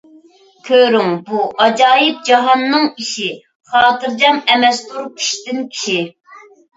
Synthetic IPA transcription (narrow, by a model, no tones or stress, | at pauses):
kʲʰøɾyŋbuʔɑd͡ʒɑːjɨp̚d͡ʒɑɦɑnːɨŋiʃi | χɑːt̪ɨɾd͡ʒɑmɛmɛst̪uɾkʲʰi̥ʃt̪ɪnkʲʰi̥ʃi